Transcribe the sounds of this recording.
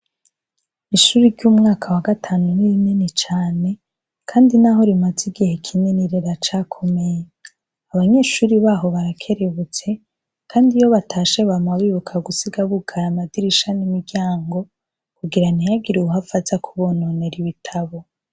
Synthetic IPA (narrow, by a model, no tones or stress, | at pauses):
iʃuːɾiɾɟumŋaːkʰawaɡatʰaːnuniinenet͡ʃaːne̞ | kʰaːndinaɦo̞ɾimaziɡihe̞kʰineniɾeɾat͡ʃaːkʰo̞me̞je | aβaɲe̞ːʃuːɾiβaːɦo̞βaɾakʰe̞ɾe̞βut͡se̞ | kʰaːndijo̞βatʰaːʃe̞βamaβiːβukʰaɡusiɡaβukʰaɾamadiɾiʃanimiɡɡɟaːŋɡo̞ | kuɡiɾanijaɡiɾuuɦafazakʰuβo̞noneɾiβitʰaβo